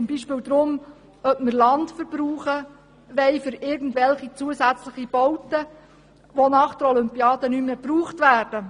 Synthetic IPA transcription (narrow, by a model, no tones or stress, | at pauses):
t͡sʊmbiːʃpɪːwd̪ɾʊm | œpmərlɑntfəɾb̥ɾuːχə | ʋɛɪfʏɾɪɾɡən̩dvɛlχit͡suəsæt͡slɪχib̥ɔwtə | ʋonɑχd̥əɾɔlʏmpiɑːd̥ənymːeːb̥ruːχtʋæːrd̥ə